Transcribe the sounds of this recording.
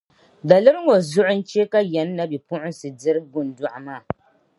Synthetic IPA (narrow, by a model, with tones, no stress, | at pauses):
da˨lɨ˦ɾŋo˨zʊ˦ʔʊ˦n̩˦t͡ʃe˦ka˦jɛ˨˦nː˦a˦bi˨pʊ˦ʔʊ˦n˦sɨ˨dɪ˦ɾɡʊ˨n˨dʊ˦ʔa˨maː˦˨